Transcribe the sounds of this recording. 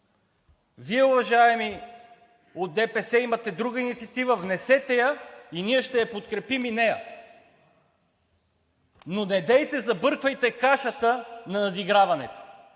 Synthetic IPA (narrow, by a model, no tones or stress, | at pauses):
viɛʊvɐʒaɛmi | ot̪̚d̪ɛpɛsɛimɐt̪ɛd̪ɾuɡəinit̪siɐt̪ivɐvnɛsɛt̪ɛjəiniɛʃt̪ɛjɐpot̪kɾɛpiminɛjɐ | nonɛd̪ɛjt̪ɛzɐbɤɾkvɐjt̪ɛkaʃɐt̪ənɐnɐd̪iɡɾavɐnɛ̰t̪o̥